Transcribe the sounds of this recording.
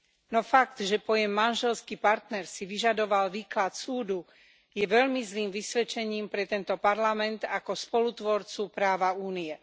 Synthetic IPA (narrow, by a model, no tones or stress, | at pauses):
nɔfaɡd̪ʒɛpɔjɛmːanʒɛlskipaɾt̪nɛɾsiʋiʒad̪ɔʋalʋiːklat̪suːd̪u | jɛʋɛʎmizliːmʋisʋɛt͡ʃɛɲiːmpɾɛt̪ɛnt̪ɔpaɾlamɛnt̪akɔspɔlut̪ʋɔɾt͡supɾaːʋauːniɛ